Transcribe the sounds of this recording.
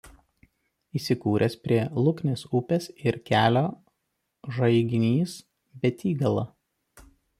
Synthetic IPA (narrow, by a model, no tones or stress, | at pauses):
iːsʲɪkuːɾʲɛspʲɾʲiɛlˠʊknʲesʊpʲɛsɪɾkʲæːlʲoː | ʒɐɪɡʲɪnʲiːs | bʲɛt̪ʲiːɡɐlˠɐ